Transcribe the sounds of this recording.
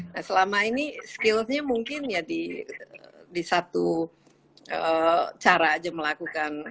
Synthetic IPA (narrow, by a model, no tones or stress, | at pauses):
nasəlamainiskɪlsɲamuŋkɪnjadiəədisat̪u | ət͡ʃaɾaːd͡ʒaməlakukan